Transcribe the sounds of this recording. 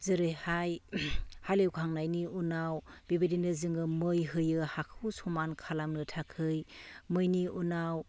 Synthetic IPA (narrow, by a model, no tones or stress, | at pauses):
zɯɾɯjhajhalewkʰaŋnajniunawbibedinɯzɯŋɯmɯjɦɯjɯhakʰɯwsɔmankʰalamnɯtʰakʰɯjmɯjniunaw